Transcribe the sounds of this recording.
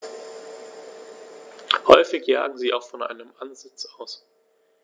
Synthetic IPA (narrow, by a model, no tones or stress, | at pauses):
hɔʏfɪçja̰ːɡŋ̩ziːʔaʊxfɔnʔa̰ɪnəmʔanzɪt͡saʊs